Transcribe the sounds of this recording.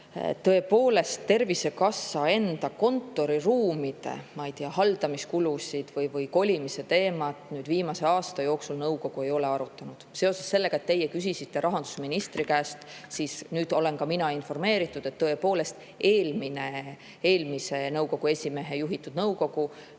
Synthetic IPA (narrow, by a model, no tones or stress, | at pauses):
t̪ɤ̞e̞po̞ːle̞st̪ːe̞rvise̞kɑsːɑe̞nd̪̥ɑko̞nt̪ːˑo̞ɾiruːmid̪̥e̞̰mɑjt̪iɑhɑld̪̥ɑmiskulusid̪̥vɯjvɯjko̞lʲimise̞t̪e̞ːmɑt̪ˑnyːd̪̥viːmɑse̞ɑːst̪ɑjo̞ːksulnɤwko̞ɡ̥ue̞jo̞le̞ɑɾut̪ˑːɑnud̪̥se̞o̞sesːe̞lːe̞ɡɑe̞t̪ːe̞jːekysisit̪ːe̞ɾɑɦɑnd̪̥u̥sminist̪rikæːst̪sisnyːd̪o̞le̞nkɑminɑinfo̞rme̞ːɾit̪ːˑud̪̥e̞t̪ːɤ̞e̞po̞ːle̞st̪ | e̞ːlmine̞ | eːlmise̞nɤuwko̞ɡ̥ue̞sʲime̞ɦe̞juɦit̪ːˑud̪̥nɤwko̞ɡ̥u